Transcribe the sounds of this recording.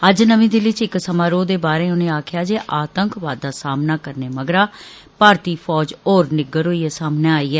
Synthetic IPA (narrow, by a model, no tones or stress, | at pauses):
əd͡ʒnəʋĩːd̪eːʋɪt͡ʃɪksəmãːɾoːd̪eːbaːɾẽːʊnẽːaːkʰjaːd͡ʒeːʔaːt̪əŋkʋaːd̪ːaːsaːmnaːkəɾneːməɡɾaː | paːɾt̪iːpʰɔːd͡ʒoːɾnɪɡəɾɦoːiːeːsaːmneːaːiːɦɛː